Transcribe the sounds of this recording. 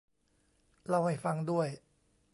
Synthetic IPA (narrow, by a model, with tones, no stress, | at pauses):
ɾa˧wha˥˩jfa˧ŋdu˥˩əj